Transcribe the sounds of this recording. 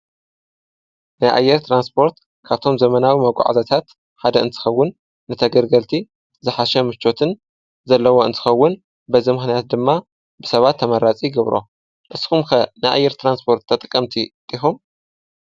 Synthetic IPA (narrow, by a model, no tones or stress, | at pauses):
najʔa̰jːɛɾt̪ʰɾanspʰo̞ɾt̪ | kʰaβt̪ʰo̞mzɐmɐnawimɐɡʷa̰ʕa̰zat̪ʰat̪ | ħad̪ɐɨnt̪ʰɨ̥xɐwːʊn | nɨt̪ʰɐɡɐɾɡɐlt̪ʰi | zɨħaʃɛmɨt͡ʃːo̞t̪ʰɨn | zɐlːɐwo̞ɨnt̪ʰɨ̥xɐwːʊn | bɐzimɨxnijat̪̚d̪ɨmːa | bɨsɐβat̪ʰːɐmɐɾat͡sʼiɡɐβɾo̰ | ʔɨsxumkɐnajʔa̰jːɛɾt̪ʰɾanspʰo̞ɾt̪ʰːɐt̪ʼɨkʼːɐmt̪ʰit̪ʼixum